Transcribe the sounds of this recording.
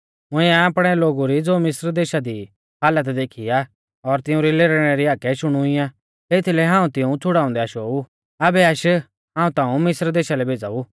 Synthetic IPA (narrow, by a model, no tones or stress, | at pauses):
ʊ̃ɪ̃ãːpɽ̃ɛloːɡuɾid͡zoːmɪsɾd̪eːʃad̪i | ɦaːlət̪d̪eːkʰija | ɔɾt̪ɪ̃ũɾileːɾɽ̃ɛɾiaːkɛʃʊɽ̃uɪjã | et̪ʰilɛɦãːũt̪ɪũt͡sʰʊɽaːʊ̃nd̪ɛaʃoːu | ɐbɛɐʃ | ɦãːũt̪ãːũmɪsɾd̪eːʃalɛbʱeːd͡za̰u